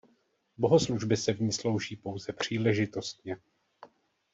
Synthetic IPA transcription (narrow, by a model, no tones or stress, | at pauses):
bo̞ɦo̞sluʒbɪsɛvɲiːslo̞wʒiːpo̞wzɛpr̝̥iːlɛʒɪt̪o̞st̪̚ɲɛ